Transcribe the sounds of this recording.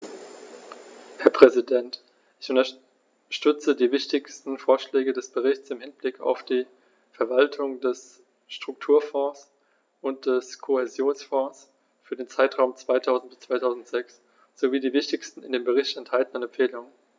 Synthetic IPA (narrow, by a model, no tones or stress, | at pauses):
hɛɐpʁ̥ɛzidɛnt | ʔɪçʔʊntɐ | ʃtʏt͡sədiːvɪçtɪçstn̩foːɐʃlɛːɡədɛsb̥əʁɪçt͡sɪmhɪnblɪkʰa̰ʊfd̥iː | fɛɐvaltʰʊŋdɛs | ʃtʁ̥ʊk̚tʰuːɐfɔ̃ːs | ʔʊnt̚d̥ɛskʰohɛzjoːnsfɔ̃ːs | fyːɐdeːnt͡saɪtʁ̥aʊmt͡sv̥aɪtʰaʊzn̩t̚bɪ̥st͡sv̥aɪtʰaʊzn̩tz̥ɛks | z̥oviːdiːvɪçtɪçstn̩ɪ̰ndeːmbəʁɪçtɛnthaltən̩ənɛmfeːlʊŋən